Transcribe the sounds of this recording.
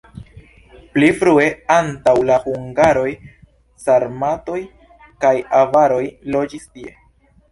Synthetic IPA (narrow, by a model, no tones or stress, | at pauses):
plifɾue̞antawlahuŋɡaɾo̞j | saɾmato̞j | kajavaɾo̞jlo̞d͡ʒistie̞